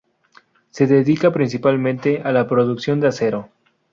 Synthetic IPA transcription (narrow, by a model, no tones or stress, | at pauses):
se̞ðeðikapɾins̬ipalmẽnt̪eʔalapɾoðuksjo̞nd̪ease̞ɾo̞